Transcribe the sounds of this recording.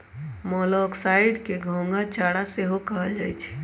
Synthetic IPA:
mɔlɔksaɪɖkeɡʱõŋɡat͡ʃaɽaseɦokəɦəld͡ʒajt͡ʃʰ

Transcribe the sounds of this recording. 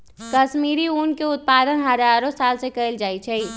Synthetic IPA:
kɐʃmiːɾiuːnkeʊt̪̚paːd̪ənɦɐd͡ʒaːɾõsaːlsekəɪld͡ʒaːit͡ʃʰɛi

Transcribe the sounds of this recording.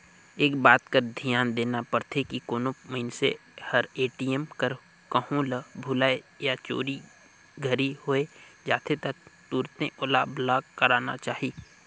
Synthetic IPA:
eːkbaːt̪kəɾd̪ʱijaːnd̪eːnapəɾt̪ʰekikoːnoməɪnsḛhəɾeːʈiemkəɾ | kəhũlbʱuːlaːejat͡ʃo̰ːɾi | ɡʱəɾihoed͡ʒaːt̪ʰet̪ək̚t̪uːɾt̪ḛ̃ʔʊlablaːɡkəɾaːna̰t͡ʃaːɦiː

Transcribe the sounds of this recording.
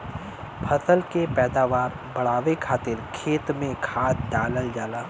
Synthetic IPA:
pʰɐsəlkepɛːd̪aːʋaːɾ | bɐɽ̤aːʋekʰaːt̪ɪɾkʰeːt̪mẽkʰaːt̪̚ɖaːləld͡ʒaːlaː

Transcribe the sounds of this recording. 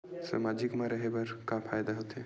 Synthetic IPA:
sə̰mad͡ʒʱikmãɾəɦebɐɾkãpʰaːjd̪aɦot̪e

